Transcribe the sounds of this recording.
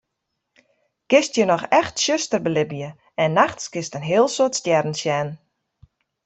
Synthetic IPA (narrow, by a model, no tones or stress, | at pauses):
kɪstjənɔxɛxtsøstərbəlɪbijə | ɛnːaxtskɪstənɦɪəlˠsotstjɛrn̩sjɛn